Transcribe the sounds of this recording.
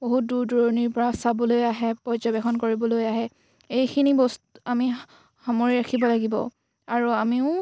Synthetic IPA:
boɦut̚duɹduɹɔniɹpɔɹasabɔlojaɦɛpɔzɔbɛxʰɔnkoɹibɔlojaɦɛ | ejkʰinibɔstami | hamoɹiɹakʰibɔlaɡibɔ̰ | aɹuamiʊ

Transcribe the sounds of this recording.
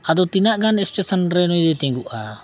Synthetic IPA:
ad̪ɔt̪inaʔɡanɛst͡ʃɛsənɾɛnɔjd̪ɛt̪ɛ̃ŋɡuʔa

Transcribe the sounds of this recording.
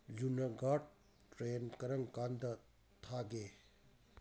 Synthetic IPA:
zunɐɡaʈ̚ | ʈɾenkɐɾɐŋkand̪ɐ | t̪ʰaɡe

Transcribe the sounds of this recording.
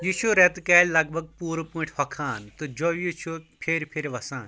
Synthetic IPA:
jit͡ʃʰuɾet̪kɐːlʲlɐɡ̚bʱɐɡ̚puːɾpũʈʰhɐkʰaːnt̪od͡ʒoːjit͡ʃʰupʰeːɾpʰeɾʲʋɐsaːn

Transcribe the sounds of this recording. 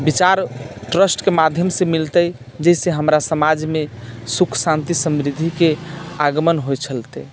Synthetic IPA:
bit͡ʃaɾʈɾəsʈkemad̪ʱjəmsemilt̪əj | d͡ʒɛseɦəmɾasəmad͡ʒmesukʰsãnt̪isəmɾid̪ʱikeaɡəmənɦojt͡ʃʰəlt̪ɛ

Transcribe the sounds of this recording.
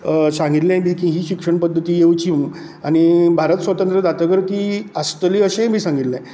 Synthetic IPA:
sãŋɡit̪lɛ̃bʱiːkĩɦiːɕikʂəɳpəd̪ʱːət̪iːjewt͡ɕiũ | añibʱaɾət̪sʋət̪ə̃nt̪ɾəd̪at̪əɡəɾkiːast̪əliːəɕẽbʱiːsãŋɡit̪lɛ̃

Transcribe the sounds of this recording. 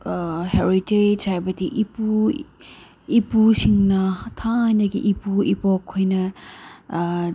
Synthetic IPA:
heɾitesajbɐdiʔipu | ipusiŋnɐtʰadɐɡiʔipuipokʰːojnɐ

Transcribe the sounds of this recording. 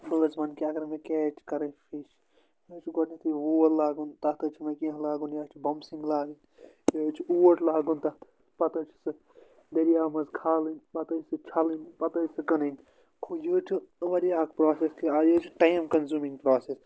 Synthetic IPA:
bɐlɐzbɐnkiɐɡɐɾmekeːt͡ʃʰkɐɾɐpʰiʃ | joːt͡ʃʰɡonɐt̪iʋuːɐllaːɡunt̪ɐt̪ɨt͡ʃʰimɐkĩɦɐ̃laːɡunjɐːt͡ʃʰibɐmsĩŋɡlaːɡɨn | joːt͡ʃʰiuːəʈʰlaːɡunt̪ɐt̪ʰ | pɐt̪ɐt͡ʃʰsɨ | d̪ɐɾijaːmɐzkʰaːlinpɐt̪ɐsɨt͡ʃʰɐlinpɐt̪ɐjsɨkɐninʲ | kʰoːjoːt͡ʃʰiʋɐɾijaːkpɾoːseskiaːjot͡ʃʰiʈajmkɐnzuːmĩŋɡpɾoːses

